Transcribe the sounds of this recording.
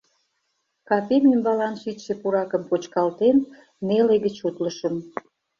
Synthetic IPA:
kɑpemʲimbɑlɑnʃitʃepuɾɑkəmpot͡ɕkɑlt̪enː | eleɣət͡ɕut̪ləʃəm

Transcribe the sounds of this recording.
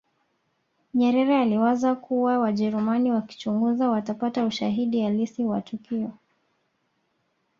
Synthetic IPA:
ɲɛɾɛɾɛaliwazakuwawaʄɛɾumaniwaki̥t͡ʃuŋɡuzawatapatauʃaɦiɗialisiwa̰tukiɔ

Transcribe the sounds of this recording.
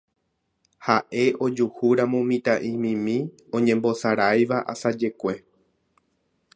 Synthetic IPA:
haʔe̞ʔo̞d͡ʒuhuɾãmõmĩt̪aʔĩmĩmĩ | õ̞ɲẽ̞mbo̞saɾajʋaʔa̰sad͡ʒe̞kʷe̞

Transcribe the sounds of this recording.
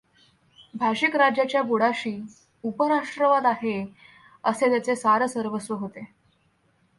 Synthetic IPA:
bʱaɕikɾad͡ʑjat͡ɕjaboɽaɕiː | upəɾaʂʈɾəʋad̪aɦe | əset̪jat͡sesaɾəsəɾʋəsʋəɦot̪e

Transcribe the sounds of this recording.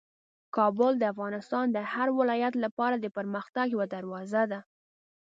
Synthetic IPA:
kɑbʊld̪əafɣɑnɪst̪ɑnd̪əhaɾwɪlɑjat̪lapɑɾad̪əpəɾməxt̪aɡjawad̪aɾwɑzad̪a

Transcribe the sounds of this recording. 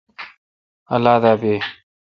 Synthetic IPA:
ɐlaːd̪aːbeː

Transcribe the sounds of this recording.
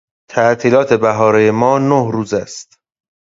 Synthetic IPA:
t̪ʰæʔt̪ʰiːlɒːt̪ʰe̞bæɦɒːɾejemɒːnohɾuːzæst̪

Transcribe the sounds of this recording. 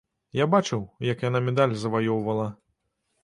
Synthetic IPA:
jabat͡ʂɨwjɐkjanamʲɛd̪alʲzɐvajɔwvɐlˠɐ

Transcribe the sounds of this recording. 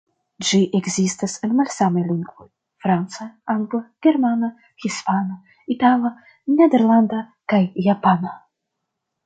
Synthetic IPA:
d͡ʒiʔeɡzist̪asenmalsamejliŋɡvo̰j | fɾant̪saaŋɡlaɡ̥eɾmana | hispana | it̪ala | ned̪eɾland̪a | kajːapana

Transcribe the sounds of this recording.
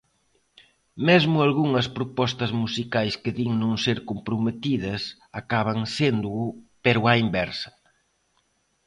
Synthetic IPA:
mezmʊalɣuŋɐspɾopɔst̪ɐzmusikajskɪðiŋnõŋseɾkompɾomet̪iðɐs | akaβ̞ɐŋsend̪ʊːpeɾʊaimbɛɾsɐ̥

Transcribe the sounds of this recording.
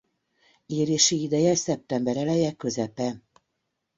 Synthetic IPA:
eːɾeːʃiid̪ɛjɛsɛp̚t̪ɛmbɛɾɛlɛjɛkːø̞zɛpɛ

